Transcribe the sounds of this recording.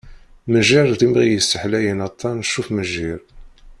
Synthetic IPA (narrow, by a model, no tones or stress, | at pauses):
məʒiɾˤðimʁijəsːəħlæjənɑt̪ˤːɑnəʃːufməʒiɾ